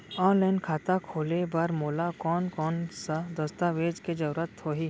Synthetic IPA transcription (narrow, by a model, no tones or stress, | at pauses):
ɔ̃ːnlaɪnkʰaːt̪akʰoːlebɐɾmoːlakɔːnkɔːnsad̪ɐst̪aʋeːd͡ʒked͡ʒɐɾɾət̪hoɦiː